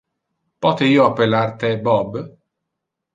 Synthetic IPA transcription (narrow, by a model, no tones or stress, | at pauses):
pɔt̪eiːoapːelart̪ebɔb